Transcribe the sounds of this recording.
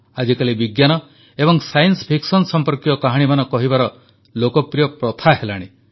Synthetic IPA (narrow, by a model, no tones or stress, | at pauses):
ad͡ʒikalibiɡjanɔ | ebɔŋsajnspʰiksɔnsɔmpɔɾkiɔkaɦaɽ̃imanɔkɔɦibaɾɔ | lokɔpɾijɔpɾɔt̪ʰaɦelaɽ̃i